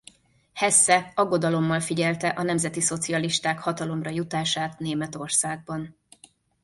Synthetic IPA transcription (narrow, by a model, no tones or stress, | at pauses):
hɛsːɛɒɡːo̞d̪ɒlo̞mːɒlfiɟɛlt̪ɛʔɒnɛmzɛt̪iso̞t̪siɒliʃt̪aːkhɒt̪ɒlo̞mrɒjut̪aːʃaːt̪neːmɛt̪o̞rsaːɡ̚bɒn